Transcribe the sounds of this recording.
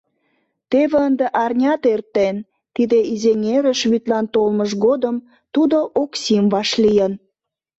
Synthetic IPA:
t̪eβeənd̪eʔɑrnʲɑt̪ert̪en | t̪id̪eizenʲeɾəʃβyt̪lɑnt̪olməʒɣod̪əm | t̪ud̪oʔoksimβɑʃlijən

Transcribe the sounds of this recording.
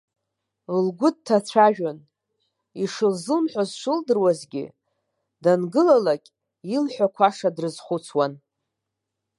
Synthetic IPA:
lɡʷʊd̚tʰːat͡ɕʷʰaʒᶣan | iʂɨlzɨlmħʷazʃɨldɨrwazɡʲḭ | danɡɨlalakʲʼ | ilħʷᶣakʷʰaʂadrɨzχʷut͡sʰwan

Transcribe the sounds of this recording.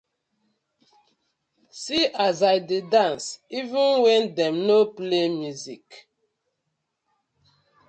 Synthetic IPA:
siʔazajdidãnsivĩnwɛ̃ndɛmnoplemjuzik

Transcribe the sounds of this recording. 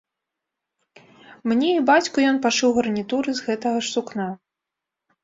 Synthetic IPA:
mnʲɛibat͡sʲkujɔnpaʂɨwɣɐrnʲit̪uɾɨzɣɛt̪ɐɣɐʂsukna

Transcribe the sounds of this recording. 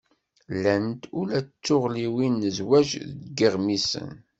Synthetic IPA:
lːænt̪ʊlæt͡sːʊʁliwinːəzwæʒðɡəʁmisə̰n

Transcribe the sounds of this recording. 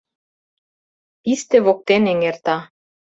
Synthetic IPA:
ist̪eβok̚t̪eneŋert̪ɑ

